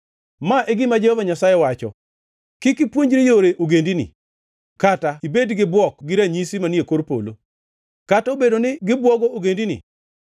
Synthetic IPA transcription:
maʔeɡɪmad͡ʒehovaɲasajɛwat͡ʃɔ̰ | kɪkɪpwoɲd͡ʒɾijoɾeʔoɡendinɪ̰ | kataibedɡɪbwɔkɡɪɾaɲisimanjekoɾpo̰lo̰ | kataobedonɪɡɪbwɔɡooɡendinɪ̰

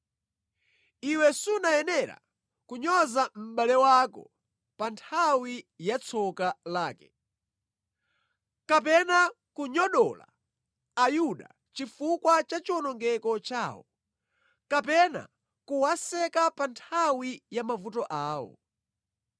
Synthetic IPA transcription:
iwɛsunajɛnɛɾa̰ | kuɲɔzam̩ɓalɛwakɔ̰ | pantʰawijat͡sʰɔkalaːkɛ̥ | kapɛna | kuɲɔɗɔla̰ː | juɗa̰ | t͡ʃifukwat͡ʃat͡ʃiwɔnɔŋɡɛkɔt͡ʃaːwɔ̰ | kapɛna̰ | kuwasɛkapantʰawijamavutɔʔaːwɔ̰

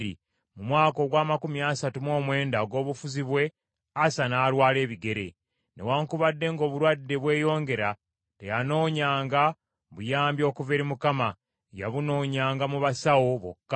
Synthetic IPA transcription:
ḭ | mumwaːko̞ɡwaːmakumiasatumo̞ːmwe̞ːndaɡo̞ːβufuziβwe̞ | asanaːlwaːle̞ːβiɡe̞ɾe̞̰ | ne̞̰waːŋkuβadːe̞ŋɡo̞ːβuɾwadːe̞βwe̞ːjo̞ːŋɡe̞ɾa | te̞jano̞ːɲaːŋɡa | βujaːmbjo̞ːkuveɾimukama | ja̰βuno̞ːɲaːŋɡamuβasawo̞βo̰kːa

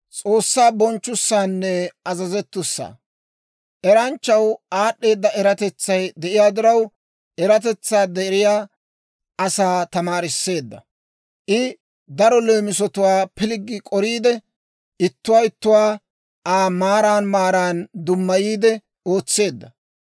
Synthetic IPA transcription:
t͡sʼo̞ːsːaːbɔnt͡ʃːʊsːaːnːɛɐzɐzɛt̪ːʊsːa̰ː | ʔɛɾɐnt͡ʃːɐwaːɗːe̞ːd̪ːɐɛɾɐt̪ɛt͡sːɐjd̪ɛʔɪjaːd̪ɪɾɐw | ʔɛɾɐt̪̬ɛt͡sːaːd̪ɛɾɪjaː | ɐsaːt̪ɐmaːɾɪsːe̞ːd̪ːɐ̰ | ʔɪ | d̪ɐɾɔle̞ːmɪsɔt̪ʊwaːpɪlɪɡːɪkʼɔɾiːd̪ɛ | ʔɪt̪ːʊwaːɪt̪ːʊwaː | ʔaːmaːɾaːnmaːɾaːnd̪ʊmːɐjiːd̪ɛ | o̞ːt͡sːe̞ːd̪ːɐ

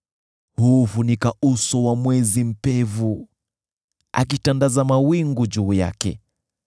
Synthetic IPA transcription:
huːfunikausɔwamwɛzim̩pɛvu | a̰k̬itandazamawiŋɡud͡ʒuːja̰kɛ̰

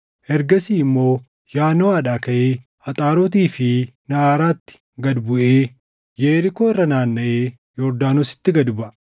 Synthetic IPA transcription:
ʔɛɾɡɐsiːɪmːo̞ː | jaːnɔwaːᶑaːkɐʔeː | ɐt̪ʼaːɾoːt̪̬iːfɪnɐaːɾaːt̪ːɪ̥ | ɡɐd̪bʊʔeː | jeːɾɪkoːɪrːɐnaːnːɐʔeː | jɔɾd̪aːnʊsɪ̥t̪ːɪɡɐd̪ʊbɐ

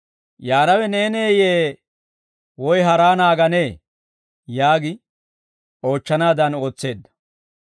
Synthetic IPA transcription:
jaːnɐwɛneːneːjeː | wɔjɦɐɾaːnaːɡɐne̞ː | jaːɡɪ | o̞ːt͡ʃːɐnaːd̪ɐno̞ːt͡sːe̞ːd̪ːɐ̥

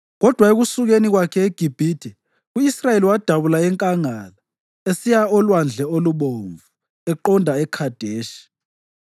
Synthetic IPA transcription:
ɣɔd̥ʱwaeɣusuɣeniɣwakʰɛeɡ̥ʱib̥ʱiːd̥ʱɛ | uisrajeliwad̥ʱaβulaɛŋkʼaŋala | esijaɔlwand͡ɮʱɛoluɓoɱvu | ɛǃɔndʱaɛkʰad̥ʱeːʃi̥

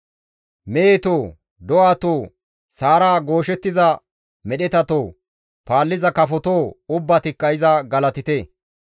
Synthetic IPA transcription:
meːt̪oː | d̪ɔwaːt̪oː | saːɾaːɡo̞ːʃɛt̪ːɪzɐ | mɛɗɛt̪ɐt̪oː | paːlːɪzɐkɐfɔt̪oːʊbːɐt̪ɪkːɐɪzɐɡɐlɐt̪ɪt̪e

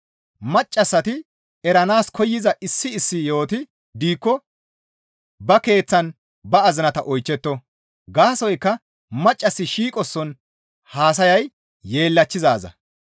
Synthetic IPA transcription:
mɐt͡ʃʼːɐsːɐt̪ɪ | ɛɾɐnaːskʰɔjːɪzɐʔɪsːɪːsːɪjo̞ːt̪ɪ | d̪iːkːɔ | bɐke̞ːt͡sːɐn | bɐɐzɪnɐt̪ɐʔɔjt͡ʃːɛt̪ːɔ | ɡaːsɔjkːɐ | mɐt͡ʃʼːɐsːɪʃiːkʼɔsːɔn | haːs̬ɐjɐj | je̞ːlːɐt͡ʃːɪzaːzɐ̰

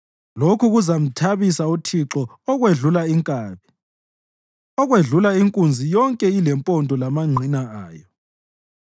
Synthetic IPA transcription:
lokʰuɣuzam̩tʰaβisautʰiǁɔː | ɣweɮulaiŋkʼaːβi | ɔɣweɮulaiŋkʼund͡zʱijɔŋkʼɛilɛmpʼɔndʼʱɔlamaŋ͡ǀʱinaaːjɔ

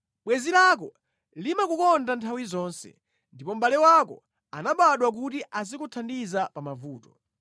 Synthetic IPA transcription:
ɓwɛzilak̬ɔ | limakukɔndantʰawizɔːnsɛ̰ | ndipɔm̩ɓalɛwakɔ̰ | anaɓaɗwak̬utiʔaz̬ikutʰandizapamavuːtɔ

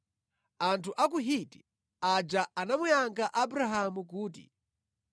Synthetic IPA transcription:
antʰuʔak̬uɦiti | ad͡ʒaanamujaŋɡaʔabɾaɦamukuːtḭ

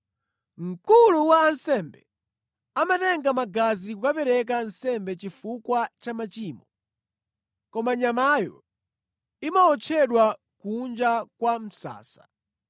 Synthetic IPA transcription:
m̩kuluwaːnsɛmbɛ | amatɛŋɡamaɡazikukapɛɾɛk̬ansɛmbɛt͡ʃifukwat͡ʃamat͡ʃiːmɔ | kɔmaɲamajɔ̰ | imaɔt͡ʃʰɛɗwa | kund͡ʒakwam̩sa̰ːsḁ

